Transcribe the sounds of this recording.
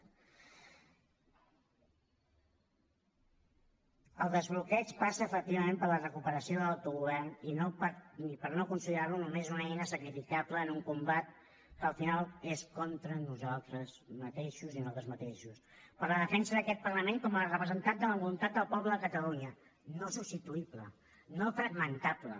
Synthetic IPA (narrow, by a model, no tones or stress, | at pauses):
əlˠd̪əzβlukɛt͡ʃpasəːfək̚t̪iβəmempəɾlərəkupəɾəsioðələlt̪uɣuβɛrninopəɾnipəɾnokunsiðɾarlunumezunɛjnəsəkɾifikapləːnuŋkumbat̪̚ | kəːlˠfinalˠeskɔnt̪ɾənuzalˠt̪ɾəzmət̪eʃuzinalˠt̪ɾəzmət̪eʃus | pəɾləðəfɛnsəðəkɛt̪̚pərləmeŋkɔməlˠrəpɾəzənt̪an̚d̪ələβulumt̪at̪̚d̪əlˠpɔβləðəkət̪əluɲə | nosubst̪it̪uiplə̰ | nofɾəɣmənt̪aplə̰